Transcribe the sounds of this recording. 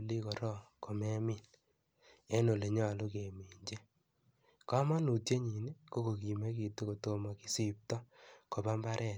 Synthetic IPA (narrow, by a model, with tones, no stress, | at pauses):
li˦kɔ˨ɾɔ˦ko˨mɛ˦mɪ˦˨l | e˦no˨le˨ɲɔ˦˨lʊ˦ke˨mi˨ɲd͡ʒe˦ | ka˦ma˦nu˨te˦ɲi˨ni˦ko˦ko˨ki˨me˦ki˨to˦ko˨to˦ma˨ki̥˨si˦˨p̚tɔ˦ko˨ba˦mba˦ɾʔɛ˦˨